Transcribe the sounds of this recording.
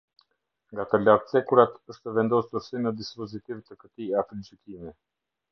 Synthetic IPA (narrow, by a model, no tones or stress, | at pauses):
ŋɡat̪əlaɾt̪sɛkuɾat̪əʃt̪ɛvɛnd̪ɔsuɾsinəd̪ispɔzit̪ivt̪əkət̪iat̪ld͡ʒikimi